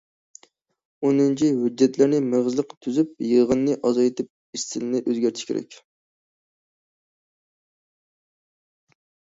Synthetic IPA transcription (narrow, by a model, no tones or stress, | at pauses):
onɨnt͡ʃʰiɦyd͡ʒːɛt̪lɪɾnɪmeʁɨzlˠəqt̪ʰyzyp̚jəʁɨnːɨʔɑzɑjt̪ʰɪp̚ | ist̪ʰɪlɪnɪʔøzɡʲæɾt̪ʰɪ̥ʃkʲḛɾʔɛ̰kʲ